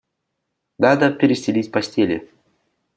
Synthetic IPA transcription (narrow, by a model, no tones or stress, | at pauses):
nad̪əpʲɪɾʲɪsʲɪlʲitʲpɐsʲtʲelʲɪ̰